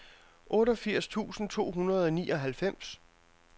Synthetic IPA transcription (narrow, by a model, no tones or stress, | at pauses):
ʔɔ̽ːɾɒfiɐ̰st͡sʰṵːsn̩t͡sʰo̝̰ːɦunɐð̞ˠɒ̽niːʔɒ̽ɦælfem̰s